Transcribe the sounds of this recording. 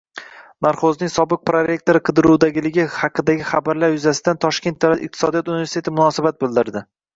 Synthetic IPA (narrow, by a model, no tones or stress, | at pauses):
naɾχoznɪŋsɒbɨq̚pɾoɾe̞k̚t̪o̞ɾɨqʰɨd̪ɪɾud̪aɡʲɪlɪɡʲɪhɑqʰɨd̪aɡʲɪχabaɾlaɾjʊzasɪd̪ant̪ʰɒʃkʲet̪d̪avlat̪ɪq̚t̪ʰɪ̥sɒd̪ijɒt̪unɪvʲe̞ɾst̪et̪ɪmʊnɒsabat̪̚bɪld̪ɪɾd̪ɪ